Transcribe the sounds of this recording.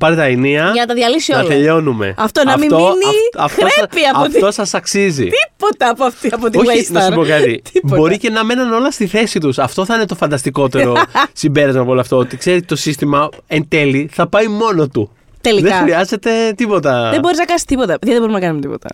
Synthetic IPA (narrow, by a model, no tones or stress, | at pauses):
pɐɾet̪ɐiniɐʝɐnɐt̪ɐðʝɐlisioɐlt̪eʎo̞nume̞̰ɐft̪onɐfmimoiniɐft̪oɾepiɐɐotfo̞sɐsɐksizḭt̪ipot̪ɐpoɐft̪iɐpot̪ioisnɐɐsupokɐt̪it̪ibo̞ɾice̞nɐme̞nɐno̞lɐst̪iθe̞sit̪usɐft̪o̞θɐinet̪o̞fɐnd̪ɐst̪iko̞t̪e̞ɾo̞simbe̞ɾɐzmɐpoloɐft̪oot̪ikse̞ɾet̪o̞sist̪imɐent̪e̞liθɐpɐjmo̞no̞t̪u | t̪eliðexɾiɐze̞t̪e̞t̪ipo̞t̪ɐðebo̞ɾiznɐkɐnsi̥st̪ipot̪ɐðɐðeboɾimnɐkɐnumt̪ipo̞̰t̪ɐ̰